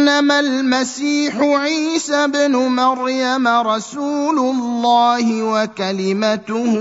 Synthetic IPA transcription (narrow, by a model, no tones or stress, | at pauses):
lːamalmasiːħʊʕiːsabnʊmaɾjamaɾˤɑsuːlʊlˤːaːhɪwakalɪmat̪ʊh